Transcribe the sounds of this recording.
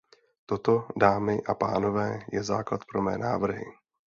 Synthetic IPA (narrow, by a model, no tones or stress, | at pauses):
t̪o̞t̪odaːmɪʔapaːno̞vɛːjɛzaːklat̪pɾo̞mɛ̰ːna̰ːvr̩ɦɪ̰